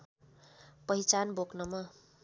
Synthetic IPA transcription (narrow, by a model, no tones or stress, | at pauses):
pʌit͡sanboknʌmʌ